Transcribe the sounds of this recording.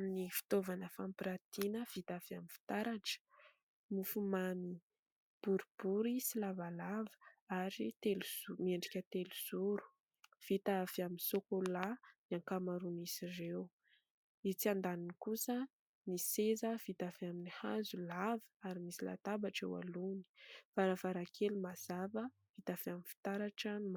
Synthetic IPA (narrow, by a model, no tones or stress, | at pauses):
minifi̥t̪ovanəfampiɾat̪inəv̥it̪afaminfi̥t̪aɾaʈ͡ʂə̥ | mufumani | b̥uɾib̥uɾisilavalavə̥aɾit̪eluzumieɳɖ͡ʐikʲət̪eluz̥uɾu̥ | v̥it̪afiaminsokolaniaŋkamaɾunisirew | it͡siand̪aninikusə | nisezəv̥it̪afaminihazulavə̥aɾimisila̰t̪abaʈ͡ʂewa̰luni̥faɾafaɾakʰelumaz̥avə | v̥it̪afamifi̥t̪aɾaʈ͡ʂənm